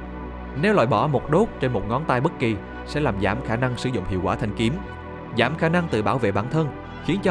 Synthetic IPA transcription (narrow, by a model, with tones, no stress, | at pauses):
nɛ˨˦wlwa̰ː˧˨jɓɔ˧˩mo˨˩t̚ɗo˦˥t̚t͡ɕe˧nmo˨˩t̚ŋɔ˨˦nt̪aː˧jɓə˦˥t̚ki˨˩ | sɛ̰˧˥laː˨˩mzaː˧˩mxaː˧˩na˧ŋsɨ̰˧˩zʊ̰˧˨ŋ͡mhḭ˧˨əwkwaː˧˩t̪ʰa˧jŋ̟ki˨˦əm | zaː˧˩mxaː˧˩na˧ŋt̪ɨ̰˧˨˩ɓaː˧˩wvḛ˧˨ɓaː˧˩nt̪ʰə˧n | xi˨˦ənt͡ɕɔ˧